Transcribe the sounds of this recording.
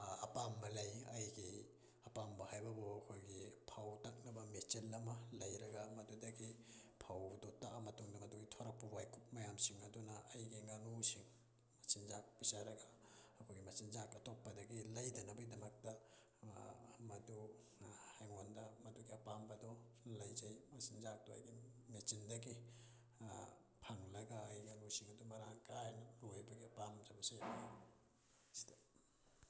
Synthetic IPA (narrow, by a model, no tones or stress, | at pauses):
ɐpamːɐlɐjɐjɡi | ɐpambɐhajbɐboɐkʰojɡipʰawtɐk̚nɐbɐmet͡ʃelːɐmɐlɐjɾɐɡɐmɐdudɐɡipʰawdotaʔamɐtuŋdɐmɐduɡitʰoɾɐk̚pubajkʰup̚mɐjamsiŋɐdunɐːjɡiŋanusiŋ | mɐsinzak̚pisaɾɐɡɐɐkʰojɡimɐsinzakɐtok̚pːɐdɐɡilɐjdɐnɐbɐidɐmɐk̚tɐ | mɐdu | hajŋondɐmɐduɡiɐpambɐdo | lɐjzɐjmɐsinzak̚doɐ̰jɡinit͡ʃindɐɡi | pʰɐŋlɐɡaːjiŋɐnusiŋɐdumɐɾaŋkajnɐlojbɐɡiɐpamd͡ʒɐbɐsaja | sd